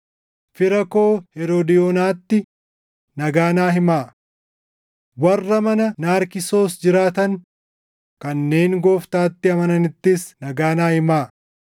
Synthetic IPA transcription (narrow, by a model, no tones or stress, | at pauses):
fɪɾɐko̞ːhɛɾod̪ɪjoːnaːt̪ːɪ | nɐɡaːnaːɦɪmaː | wɐrːɐmɐnɐnaːɾkɪso̞ːsd͡ʒɪɾaːt̪ɐn | kɐnːe̞ːŋɡoːft̪aːt̪ːɪɐmɐnɐnɪt̪ːɪsnɐɡaːnaːhɪmaː